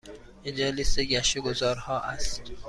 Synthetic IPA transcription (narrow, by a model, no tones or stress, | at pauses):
ed͡ʒɛliseɟæʃeɡozɒːɾhɒːʔæst̪